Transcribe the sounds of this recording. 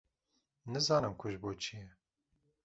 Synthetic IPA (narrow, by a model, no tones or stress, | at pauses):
nɨzɑːnɨmkʰʊʒboːt͡ʃʰijɛ